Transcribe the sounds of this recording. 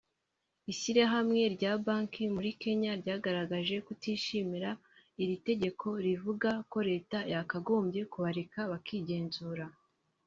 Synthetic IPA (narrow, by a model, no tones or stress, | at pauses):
isiɾaɦamŋe̞ɾɟaːbaːŋkimuɾike̞ɲaɾɟaːɡaɾaɡaʒe̞kutiːʃimiɾa | iɾite̞ɟe̞kʰo̞ɾivuɡako̞ɾe̞ːtajakaɡo̞ːmbje̞kuβaɾekaβakiɟe̞ːnzuːɾa